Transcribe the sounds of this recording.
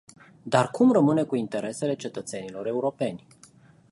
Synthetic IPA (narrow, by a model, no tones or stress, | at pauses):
d̪arkʰumrəmɨne̞kuint̪e̞ɾe̞se̞le̞t͡ʃe̞t̪ət̪se̞nilo̞ɾe̞uɾo̞pe̞nʲ